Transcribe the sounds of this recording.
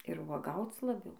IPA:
ɪr ʋuɔˈɡɐʊt͡s lˠɐˈbʲɛʊ

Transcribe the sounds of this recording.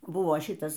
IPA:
ˈbʊʋoː ˈʃʲɪtɐs

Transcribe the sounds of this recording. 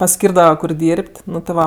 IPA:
pɐˈsʲkʲiːrdɐʋɐ kʊr ˈdʲiːrʲpʲtʲ ˈnʊ tʲɪ ˈʋɐ

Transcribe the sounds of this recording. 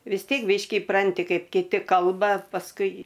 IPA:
ʋʲɪs ˈtʲiɛk ˈbʲiːʃʲkʲɪ ɪˈprɐnʲtʲɪ ˈkɐɪp kʲɪˈtʲɪ ˈkɐlˠbɐ pɐsˈkʊɪ

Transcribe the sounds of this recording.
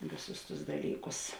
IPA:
ˈʋʲeːˌsʊs tʊs ˈdɑːlʲiːˌkʊs

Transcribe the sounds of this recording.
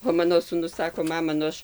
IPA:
oː ˈmɑːnoː suːˈnʊs ˈsɑːkoː ˈmɑːmɐ nʊ ˈɐʃ

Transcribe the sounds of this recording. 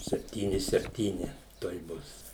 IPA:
sʲɛpʲˈtʲiːnʲɪ sʲɛpʲˈtʲiːnʲɪ tuɔj ˈbʊs

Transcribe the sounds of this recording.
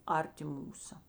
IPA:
ˈɐrʲˌtʲɪ ˈmuːsɐ

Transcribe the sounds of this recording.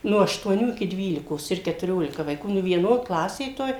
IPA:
ˈnoː ɐʃtuɔˈnʲuː ɪkʲɪ ˈdʲʋʲiːlʲɪkoːs ɪr kʲɛtʊˈrʲoːlʲɪkɐ ʋɐɪˈkuː nʊ ʋʲiɛˈnoː ˈklˠɑːsʲeː toːj

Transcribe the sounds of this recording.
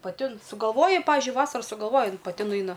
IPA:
pɐˈtʲɪ ˈɪn sʊɡɐlˠˈʋoːjɛ ˈpɑːʋʲɪʒʲʊɪ ˈʋɑːsɐrɐ sʊɡɐlˠˈʋoːjɛ ˈjɪn pɐˈtʲɪ nʊˈɐɪnɐ

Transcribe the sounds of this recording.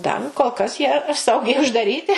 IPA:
ˈdɐr koːlˠ kɐs ˈjiɛ ˈsɐʊɡʲɛɪ ʊʒdɐˈrʲiːtʲɪ

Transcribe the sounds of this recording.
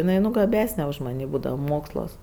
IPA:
jɪˈnɐɪ nʊ ɡɐˈbʲæːsʲnʲɛ ʊʃ mɐˈnʲiː ˈbuːdɐʋɐ ˈmoːkslˠuɔs

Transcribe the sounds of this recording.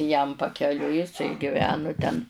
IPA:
jɛm pɐkʲɛˈlʲʊɪ jɪˈsɐɪ ɡʲɪˈʋʲæːnʊ tʲɛn

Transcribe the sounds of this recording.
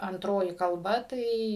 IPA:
ɐnˈtroːjɪ kɐlˠˈbɐ ˈtɐɪ

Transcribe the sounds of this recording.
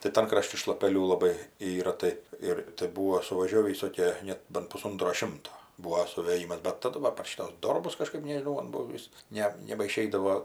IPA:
tɐɪ ˈtɐn krɐˈʃʲtʲɪ ʃlˠɐpʲɛˈlʲuː lˠɐˈbɐɪ ˈiːrɐ ˈtɐɪ ɪr tɐɪ ˈbuːʋoː sʊʋɐˈʒʲoːʋʲiː ʋʲɪˈsoːkʲiɛ ˈnʲɛt ˈbɐnt pʊˈsoːntroː ˈʃʲɪmtoː ˈbuːoː sʊʋʲeːˈjiːmɐs bʲɛt tɐˈdʊ ʋɐ pɐr ˈʃʲiːtʊs ˈdoːrbʊs kɐˈʃkɐɪp nʲɛʒʲɪˈnɐʊ mɐn ˈbuɔ ˈʋʲɪs ˈnʲɛ nʲɛbɐˈʃʲɛɪdɐʋoː

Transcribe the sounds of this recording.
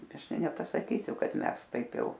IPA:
ˈɐʃ ˈtɐɪ nʲɛpɐsɐˈkʲiːsʲʊ ˈkɐt ˈmʲɛs ˈtɐɪp ˈjɛʊ

